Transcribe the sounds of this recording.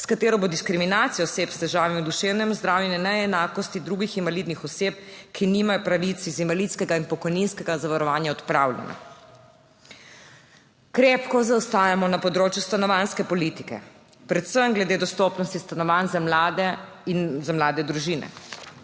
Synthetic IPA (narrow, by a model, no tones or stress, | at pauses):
skat̪eːɾɔbod̪iskɾiminaːt̪sijɔɔseːpst̪ɛʒaːʋimiud̪uʃeːwnɛmzd̪ɾaːwjɛnɛnɛɛnaːkɔst̪id̪ɾuːɡixinʋaliːd̪nixɔseːp̚kʰiniːmajɔpɾaʋit̪sizinʋaliːt̪skɛɡainpɔkɔjninskɛɡazaʋaɾɔʋaːnjaɔt̪pɾaːwlʲjɛ̰na̰ | kɾeːpkɔzawst̪aːjamɔnapɔd̪ɾoːt͡ʃjust̪anɔʋaːnskɛpɔlit̪i̥kɛ̰ | pɾɛt̪səmɡlɛd̪eːd̪ɔst̪ɔːpnɔst̪ist̪anɔʋanzamlad̪ɛ | nzamlaːd̪ɛd̪ɾuʒiːnɛ̰